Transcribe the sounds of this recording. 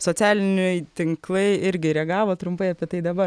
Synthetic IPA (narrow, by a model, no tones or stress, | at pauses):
soːt͡sʲæːlʲɪnʲɛɪt̪ʲɪŋklˠɐɪɪɾʲɡʲɪɾʲɛɡɑːʋoːt̪ɾʊmpɐɪɐpʲiɛt̪ɐɪd̪ɐbɐ